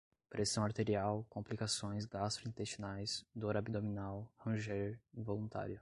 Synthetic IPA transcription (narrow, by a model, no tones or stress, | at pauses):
pɾʔesɐ̃w̃aɾt̪eɾiawkõplikasõj̃sɡast̪ɾʊĩnt̪est͡ʃinajzd̪oɾabid̪ominawhɐ̃ʒeɾĩvolũt̪a̰ɾjʊ